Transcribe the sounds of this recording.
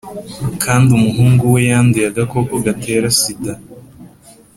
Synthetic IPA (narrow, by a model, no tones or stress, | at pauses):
kʰaːndiumuɦuːŋɡuwe̞jaːndijaɡako̞koɡate̞ːɾasida